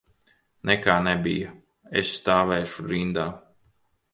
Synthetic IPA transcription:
nʔɛkaːnɛbḭjɐ | ḛsst̪aːvɛːʃuɾind̪aː

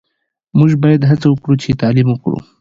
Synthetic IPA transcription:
muʒbɑjad̪ɦat͡sawəkɽut͡ʃet̪ɑlimwəkɽṵ

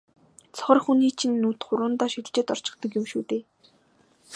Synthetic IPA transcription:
t͡sʰɔ̥χɞ̆rxuniːt͡ɕʰinːuːt̪χʊɾʊːnt̪aːʃiɾ̆t͡ɕɪ̆t̪ɔr̥t͡ɕɪ̆χt̪ə̆kjʊmʃuːt̪eː

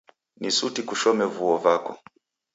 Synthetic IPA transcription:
nisutikuʃɔmɛvuɔvakɔ

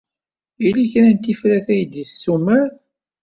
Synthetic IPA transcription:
iliçɾænt̪ifɾæθæjəd̪jəsːuməɾ

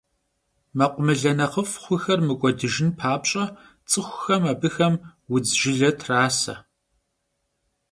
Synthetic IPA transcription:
mɐqʷʼʊmɨɮɐnɐχəfχʷʊxɐrmɨkʷʼɔdɨʒɪnpʰaːpɕʼɐ | t͡sʼɨxʷʊxɐmɐbɨxɐmwʊd͡zʒɪɮɐtʰraːsɐ̰

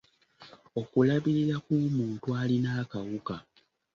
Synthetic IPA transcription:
o̞kulaβiɾiɾakumuːntualinaːkawuka

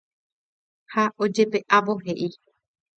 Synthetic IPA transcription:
hao̞d͡ʒe̞pe̞ʔaʋo̞ɦeʔi

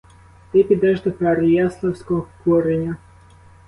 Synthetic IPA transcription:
t̪ɪpʲid̪ɛʒd̪ɔpaɾɪjaslˠɐwsʲkɔɦɔkɔɾenʲɐ

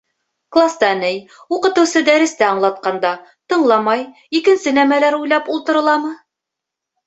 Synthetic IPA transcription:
klˠast̪ɑnɘj | uqɤ̆t̪ɤ̆wsɤd̪æɾɘ̆st̪æɑɴlˠɑt̪̚qɑnd̪ɑt̪ɤ̆ɴlˠɑmɑj | ikɘ̆nsɘnæmælæɾujlˠɑpulˠt̪ɤ̆ɾɤ̆lˠɑmɤ

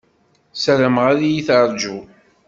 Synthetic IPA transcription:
sæɾəmʁaɾijiθɑɾˤd͡ʒu

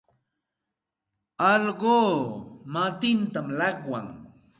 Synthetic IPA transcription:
ɑʎɢoːmat̪ɪnt̪amlɑqwa̰ŋ

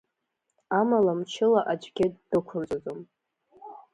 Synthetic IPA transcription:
amalamt͡ʃʰɪlaʔad͡ʒʷʼɡʲɪdːɨkʷʰʊnt͡sʼazom

